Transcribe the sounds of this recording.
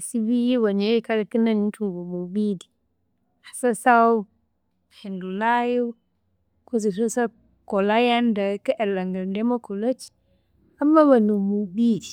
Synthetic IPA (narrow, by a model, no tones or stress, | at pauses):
sibijiwaɲekaɾakinanitubomubidi | hḁsasaw | hindulaju | kosisosa | kɔlajandakaʔɛlaŋɡaldɛmakɔlat͡ʃi̥ | ʔamːabanumubidi